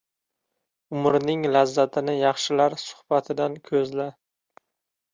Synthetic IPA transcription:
ʊmɾnɪŋlazːat̪ʰɪnɪjɑχʃɪlaɾsʊ̥hb̥at̪ʰɪd̪ankʲʰɵzla

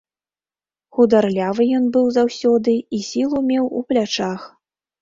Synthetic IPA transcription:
xud̪arlʲavɨjɔnbɨwzawsʲɔd̪ɨisʲilˠumʲɛwuplʲat͡ʂax

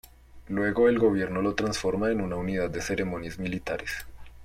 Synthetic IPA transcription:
lwe̞ɣo̞elɡo̞β̞je̞ɾno̞lo̞t̪ɾansfo̞ɾmaenunaunið̞ad̪d̪ːe̞se̞ɾe̞mo̞njezmilit̪aɾes

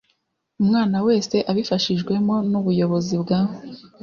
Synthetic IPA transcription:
umŋaːnawe̞ːse̞ʔaβifaʃiʒɡwe̞mo̞nuβujo̞βo̞zibɡaːho

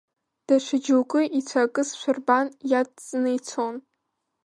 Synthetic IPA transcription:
d̥aʃʷɪd͡ʒuwkʼɨʔit͡ɕʷʰakʼɨsʃʷʊrbanjatʼt͡sʼnejt͡sʰon

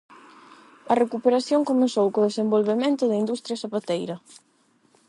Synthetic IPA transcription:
ɐrekupeɾaθjoŋkomesowkoðesembolβemẽnt̪ʊðɐind̪ust̪ɾjɐsapat̪ejɾɐ

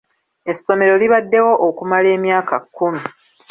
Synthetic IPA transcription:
e̞sːo̞me̞ɾo̞liβadːe̞wo̞ʔːkumale̞ːmjaːkakːumu

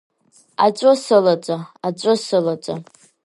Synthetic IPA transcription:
a̰t͡ʃʷʼosɨlat͡sʷʼaat͡ʃʷʼosɨlat͡sʷʼa

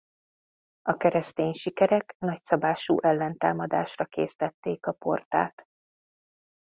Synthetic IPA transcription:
ɒkɛɾɛst̪eːɲʃikɛɾɛknɒcsɒbaːʃṵːʔɛlːɛnt̪a̰ːmɒd̪a̰ːʃrɒkeːst̪ɛt̪ːeːkɒpo̞̰rt̪a̰ːt̪

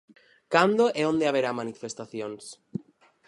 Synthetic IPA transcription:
kand̪oʔeond̪eaβ̞eɾamãnifest̪aθjons

